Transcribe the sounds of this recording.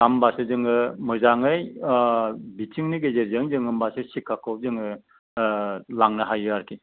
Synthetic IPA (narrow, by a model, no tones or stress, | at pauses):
ambasɯzɯŋɯmɯzaŋɯj | bitʰiŋniɡezeɾzɯŋzɯŋɯmbasɯsikʰːakʰɔp̚zɯŋɯ | laŋnɯɦajɯaɾkʰi